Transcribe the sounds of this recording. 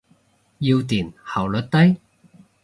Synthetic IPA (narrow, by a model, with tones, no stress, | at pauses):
ji˧wt̪iː˨˩nhɐ˨˩wlɵ˨t̚t̪ɐ˥j